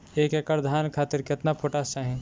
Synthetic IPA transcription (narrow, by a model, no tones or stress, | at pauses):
ekekəɾd̪ʱaːnkʰaːt̪ɪɾket̪napʰoʈast͡ʃaːɦẽ